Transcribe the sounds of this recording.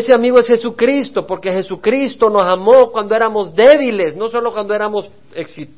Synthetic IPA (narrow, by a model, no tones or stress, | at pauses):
seamiɣoesxesukɾist̪o̞po̞ɾkexe̞sukɾist̪o̞no̞samokwand̪oeɾamo̞zd̪eβilesno̞so̞lokwand̪oe̞ɾamo̞s | eksit̪